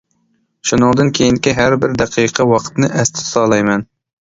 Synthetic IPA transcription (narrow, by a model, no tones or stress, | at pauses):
ʃunɨŋd̪ɨnkʲʰejiŋkʲiɦæɾbɪɾd̪æqʰijqʰɑwɑqʰt̪nɨʔɛst̪ʰɪ̥sɑlˠɑjmɛn